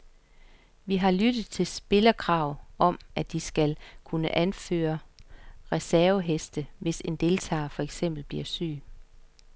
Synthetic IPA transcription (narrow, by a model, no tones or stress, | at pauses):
ʋiɦɑ̈lyd̥ð̩ˠt͡sʰe̝lsb̥e̝lɐkʰʁɑ̈ʊ̰ʔɒ̽mʔæd̥isɡ̥ælkʰunəʔænfø̰ːɐ | ʁɛsæɐʊəɦesd̥əʋe̝se̝nd̥e̝lt͡sʰɑ̰̈ːfɒ̽eɡ̥sem̰b̥l̩b̥liɐsy̰ː